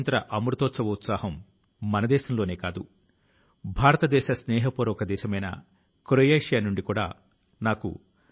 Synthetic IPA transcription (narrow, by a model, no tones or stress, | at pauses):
nt̪ɾɐʔɐmɾut̪oːt̪sɐʋɐut̪saːɦɐmː | ɐnɐd̪ɛːʃɐmlo̞ːne̞ːkaːd̪ṵ | bʱaːɾɐt̪ɐd̪ɛːʃɐsnɛːɦɐpoːɾɔːkɐd̪ɛːʃɐmɐjnɐ̰ | kɾojajʂjaːnuɳɖikuːɽa̰ː | naːkṵ